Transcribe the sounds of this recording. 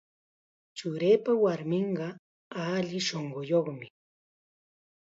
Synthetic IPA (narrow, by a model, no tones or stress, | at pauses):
t͡ʃʊɾeːpawaɾmɪɴɢɑ | aʎɪʃoɴɢojoχmɪ